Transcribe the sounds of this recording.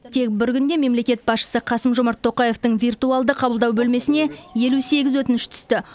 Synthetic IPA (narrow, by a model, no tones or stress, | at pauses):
t̪ʰe̞k̚bɪɾkʲʏnd̪e̞me̞mle̞kʲe̞t̪̚bɑsʃə̥səqʰɑsəmʒomɑɾt̪ʰːo̞qɑje̞ft̪əɴvirt̪uɑlˠd̪əqʰɑbəlˠd̪ɑwbɵlme̞sɪne̞je̞luse̞ɡʲɪzwɵt̪ɪnɪʃt̪ʰʏ̥st̪ɪ